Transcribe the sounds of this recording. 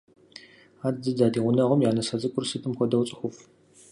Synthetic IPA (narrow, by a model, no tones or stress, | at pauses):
aːdzɨdaːdiːʁʷʊnɐʁʊmjaːnɐsɐzʼɨkʷʼʊrsɨtʰɨmxʷɔdɐwt͡sʼɨxʷʊf